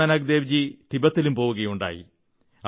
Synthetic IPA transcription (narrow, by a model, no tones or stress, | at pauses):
ɐnɐɡ̚d̪eːʋd͡ʑit̪ibɐt̪ːilumpo̞ːwuɣɐjuɳɖa̰ːjḭ